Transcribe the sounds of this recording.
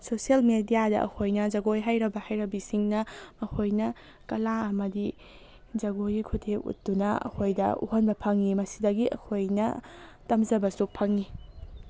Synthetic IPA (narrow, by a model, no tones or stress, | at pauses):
sosiɐlmedijadɐ̰ʔɐ̰kʰojnɐd͡ʒɐɡojɦajɾɐbɐhajɾɐbisiŋnɐmɐkʰojnɐ | kɐlaɐmɐdi | d͡ʒɐɡojikʰutʰeṵt̚dunɐɐ̰kʰojdɐ̰ṵɦonbɐpʰɐŋːimɐsidɐɡiʔɐ̰kʰojnɐtɐmzɐbɐsupʰɐŋi